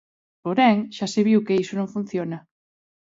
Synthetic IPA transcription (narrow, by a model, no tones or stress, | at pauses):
poɾɛŋʃaseβ̞iwkeisonõɱfun̟θjonɐ